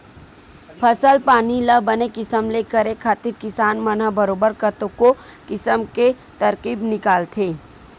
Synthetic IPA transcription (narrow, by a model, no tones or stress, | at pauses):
pʰəsəlpaːniləbənekɪsəmlekəɾekʰaːt̪ɪɾkɪsaːnmənəbəɾoːbəɾkət̪õkokɪsəmke | t̪ɐɾqiːbnɪkaːlt̪ʰeː